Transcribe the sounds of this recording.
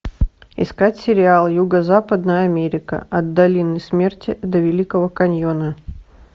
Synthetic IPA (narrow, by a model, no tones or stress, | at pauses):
ɪ̰skatʲsʲɪɾʲɪalˠjuɡəzapəd̪nəjəɐmʲeɾʲɪkə̰ɐd̪d̪ːɐlʲinəjsmʲe̞rtʲɪd̪əvʲɪlʲikəvəkɐnʲjonə